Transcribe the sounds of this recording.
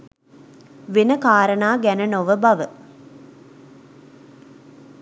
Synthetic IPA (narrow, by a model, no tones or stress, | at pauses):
ʋenəkaːɾənaːɡænənoʋəbaʋə